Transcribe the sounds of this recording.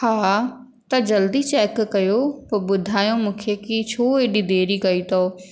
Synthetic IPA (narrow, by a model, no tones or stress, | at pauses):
haː | t̪ɐd͡ʑɐld̪it͡ɕɛːkːɐjopɐbʊd̪ʱaːjõmũːkʰekit͡ɕʰoːeːɗid̪eːɾikɐit̪ʰoː